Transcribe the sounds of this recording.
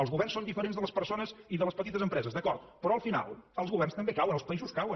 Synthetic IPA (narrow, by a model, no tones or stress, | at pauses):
əlˠzɣuβɛrnsond̪ifəɾenzðələspəɾsonəziðələspət̪it̪əzəmpɾɛzəzd̪əkɔɾt̪̚pɾɔəlˠfina̰lˠəlˠzɣuβɛrnst̪əmbekawənəlˠspəizuskawən